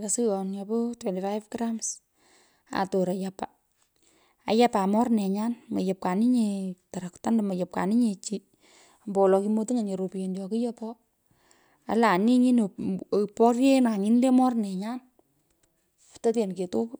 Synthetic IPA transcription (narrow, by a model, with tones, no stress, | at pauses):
la˨su˦jɔ˨njapo˦twɛ˨nti˨fajfkɾa˦ms | a̰˨to˨ɾa˨japa̰˨ | a̰˨ja˦pa˨mɔ˦rnɛ˨ɲa˦nmḛ˨je˨p̚ka˨ni˦ɲe˧ta˨ɾa˨kta˦nda˨ma˨je˨p̚ka̰˨ni˦ɲe˨t͡ʃi˦ | a˨mbɔ˨lɔ˧ki˧mo˦ti˦ŋa˨ɲe˨ɾo˨pi˨e˨njɔ˨ki˦jɔ˦pɔ˦ | a̰˨la˨ni˦ɲi˦n˨ | pɔ˦rje˦na˨ŋi˦n˦le˦mɔ˦rnɛ˨ɲa˦n | fu̥ta˦te˨nke˨to˦p